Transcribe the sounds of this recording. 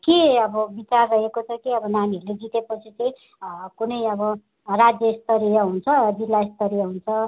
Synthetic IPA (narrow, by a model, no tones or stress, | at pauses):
keʌbʌbit͡sarːʌɦekot͡sʰʌkiʌbʌnaniɦʌɾuled͡zit̪epʌt͡sʰit͡sʌj̃ | kunʌjʌbʌ | rad͡zjʌst̪ʌɾijʌɦunt͡sʰʌʌd͡zilːaest̪ʌɾijʌɦunt͡sʰʌ